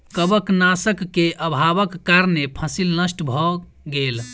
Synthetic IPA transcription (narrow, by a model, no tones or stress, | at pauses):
kəbəknasəkːeʔəbʱaʋəkːaɾnepʰəsilnəsʈbʱɔ | ɡel